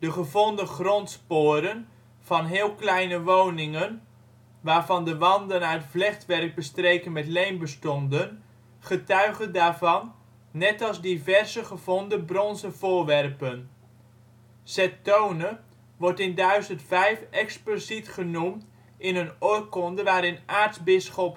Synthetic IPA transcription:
d̥əχəvɔndəχrɔntspoːɾən | v̥ɑnɦɪːlˠklɛjnəʋownɪŋən | ʋaːɹvɑndəʋɑndənaətvlɛχtʋɛrk̚bəstrejkənmɛtlejmbəstɔndən | χətœɥχədaːɹvɑnː | ɛtɑlˠzdivɛrzəχəv̥ɔndəbrɔnzəvʊːɹʋɛrpən | sɛtownə | ʋɔɹtɪndœɥzəntfɛjfɛksplozitχənumt | ʔɪnənɔrkɔndəʋaːɾɪnʔaːɹtzbɪsχɔp

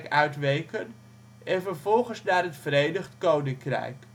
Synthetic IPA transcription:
kœɥtʋejkən | ɛnvərvɔlˠχənsnaːrɦətfəɾejnəχtkownɪŋkrɛ̰jk

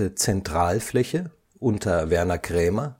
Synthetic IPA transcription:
ət͡sɛntʁ̥aːlflɛçə | ʔʊntʰɐvɛɐnɐkʁ̥ɛːmɐ

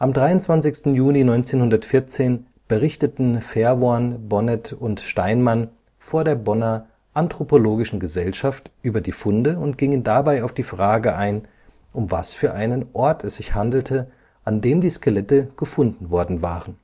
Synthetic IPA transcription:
ʔamdʁaɪʊntt͡sv̥ant͡sɪçstn̩juːlinɔʏnt͡seːnhʊndɐtfɪɐt͡seːn | b̥əʁɪçtətn̩fɛɐvoanbɔnɛtʊntʃtaɪnman | foːɐɾeːɐbɔnɐ | ʔantʁ̥opoloːɡɪʃn̩ɡəzɛlʃaftʔyːbɐdiːfʊndəʊntɡ̥ɪŋəndabaɪaʊfd̥iːfʁ̥aːɡəʔaɪn | ʔʊmvasfyːɐʔaɪnənʔɔɐtʰɛsz̥ɪçhandl̩tʰə | ʔandeːmdiːskəlɛtəɡ̥əfʊndn̩vɔɐdn̩va̰ːʁən

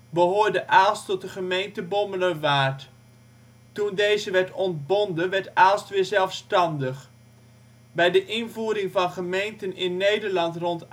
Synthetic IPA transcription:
bəɦoːɹdəʔaːlˠstɔt̚dəχəmejntəbɔmələʋaːɹt | tundejzəʋɛɹtɔntbɔndəʋɛɹtaːlˠstʋɪːɹzɛlˠfstɑndəχ | bɛjdəʔɪnvuːɾɪŋvɑnχəmejntənɪnːejdəɹlɑntrɔnt

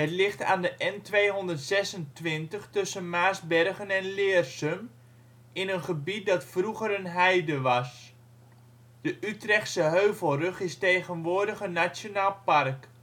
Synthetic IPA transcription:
ɦətlɪχta̰ːndəʔɛntʋejɦɔndətsɛsəntʋɪntəχtɵsənmaːzbɛrɣənɛnlɪːrsəm | ɪnənχəbit̚dɑtfruɣəɾənɦɛjdəʋɑs | d̥əʔytrɛχtsəɦøːvəlˠrɵχɪstejɣənʋʊːdəɣənasjonaːlˠpark

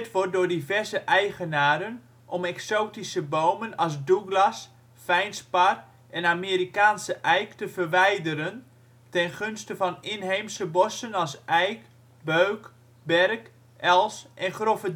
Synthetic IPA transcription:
tʋɔrt̚dʊːrdivɛrzəʔɛjχənaːɾən | ʔɔmɛksoːtisəbowmənɑls̬duɡlas | fɛjnspar | ʔɛnamiːɾikaːnsəʔɛjktəvərʋɛjdəɾən | tɛnχønstəvɑnɪnɦejmsəbɔsənɑlsɛjk | bøɥk | bɛrk | ʔɛlˠsʔɛnχrofə

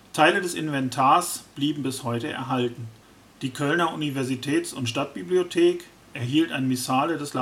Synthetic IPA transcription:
tʰaɪlədɛsɪ̰nvɛntʰaːɐsb̥liːbm̩bɪshɔʏtəʔɛ̰ɐɦaltn̩ | d̥iːkʰœlnɐʔunivɛɐzitʰɛːtsʊntʃtat̚b̥ibliotʰeːk | ʔɛɐɦiːltaɪnmisaːlədɛsla

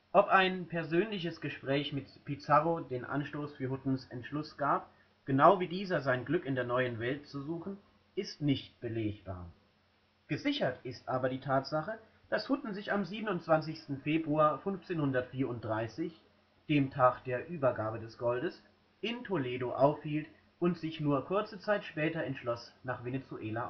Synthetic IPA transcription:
ʔɔpaɪnpʰɛɐzøːnlɪçəsɡ̥əʃpʁ̥ɛːçmɪtpit͡saʁodeːnʔa̰nʃtoːsfyːɐhʊtn̩sɛntʃlʊsɡ̥aːp̚ | ɡ̥ənaʊviːdiːzɐzaɪnɡlʏkɪndeːɐnɔʏənvɛlt̚t͡suzuːχn̩ | ʔɪstnɪçt̚b̥əleːçb̥a̰ːɐ | ɡ̥əzɪçɐtɪstʔaːbɐdiːtʰaːtz̥aχə | d̥ashʊtn̩zɪçamziːbənʊntt͡sv̥ant͡sɪçstn̩feːbʁuaːɐfʏnft͡seːnhʊndɐtfiːɐʊnt̚d̥ʁaɪsɪç | d̥eːmtʰaːkd̥eːɐʔyːbɐɡaːbədɛsɡ̥ɔldəs | ʔɪntʰoleːdoʔaʊfhiːlt | ʔʊntz̥ɪçnuːɐkʰʊɐt͡sət͡saɪtʃpɛːtɐɛntʃlɔsnaːχv̥enet͡suʔeːla

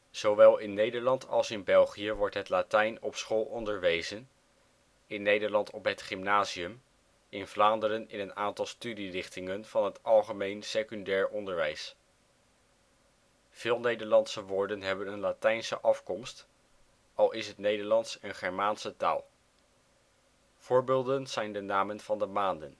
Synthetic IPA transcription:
z̥owʋɛlˠɪnːejdəɹlɑntʰɑ̰lˠsɪnbɛlˠχijəʋɔɹtɦətlatɛjnɔpsχoːlˠʔɔndəɹʋejzən | ɪnːejdəɹlɑntɔpɦətχɪmnaːziəm | ɪnvlaːndəɾənɪnənaːntɑlˠstydirɪχtɪŋənv̥ɑnɦətɑlˠχəmejnsekyndɛːɹʔɔndəɹʋɛjs | v̥ɪːlˠnejdəɹlɑntsəʋʊːɹdənɦɛbənənlatɛjnsə̰ʔɑfkɔmst | ɑlˠɪsɦətnejdəɹlɑntsənχɛɹmaːnsəta̰ːlˠ | v̥ʊːɹbɪːlˠdənz̥ɛjndənaːmənv̥ɑndəmaːndən

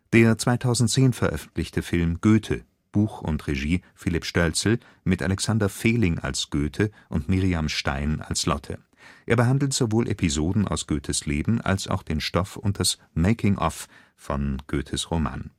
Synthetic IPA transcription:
d̥eːɐt͡sv̥aɪtʰaʊzn̩t̚t͡seːnfɛɐʔœfn̩tlɪçtʰəfɪlmɡ̥øːtʰə | b̥uːxʊ̰ntʁeʒiːfɪlɪpʃtœlt͡sl̩ | mɪtʔa̰lɛksandɐfeːlɪŋʔa̰lsɡ̥øːtʰəʔʊntmiʁiamʃta̰ɪna̰lslɔtʰə̰ | ʔeːɐbəɦandl̩tz̥ovoːlʔɛ̰pʰizoːdn̩ʔa̰ʊsɡ̥øːtʰəsleːbm̩ʔa̰lsa̰ʊxd̥eːnʃtɔfʊnt̚d̥as | meɪkʰɪŋʔɔ̰f | fɔnɡ̥øːtʰəsʁoma̰ːn

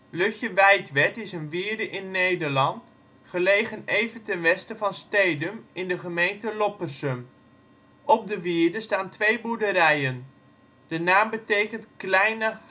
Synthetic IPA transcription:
lɵxjəʋɛjtʋɛtɪsənʋiːɹdəʔɪnːejdəɹlɑnt | χəlejχənejvəntɛnʋɛstəvɑnstejdəmɪndəχəmejntəlɔpərsəm | ɔp̚dəʋiːɹdəstaːntʋejbudəɾɛjən | d̥ənaːmbətejkəntklɛjnə

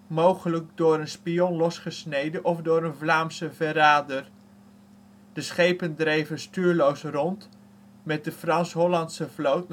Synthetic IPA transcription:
mowχələɡ̚dʊːɾənspijɔnlɔsχəsnejdənʔɔfdʊːɾənvlaːmsəvəɾaːdər | d̥əsχejpəndrejvənstyːɹlowsrɔnt | mɛt̚dəfrɑnsɦɔlɑntsəvlowt

